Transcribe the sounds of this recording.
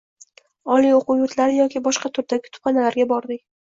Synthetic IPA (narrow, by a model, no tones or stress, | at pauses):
ɒlioqʊwjʊt̪ʰlaɾɪjɒkʲɪbɒʃqɑt̪ʰʊɾd̪aɡʲɪt̪ʰʊ̥pχɑnalaɾɡʲabɒɾd̪ɪkʲ